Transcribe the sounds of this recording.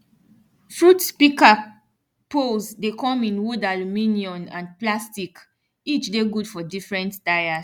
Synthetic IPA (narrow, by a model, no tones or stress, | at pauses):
fɹutspika | polzdekɔ̃mĩnwodalumĩniɔ̃nã̰nplastik | it͡ʃdeɡudfɔdifɹɛ̃ntd̥aɪa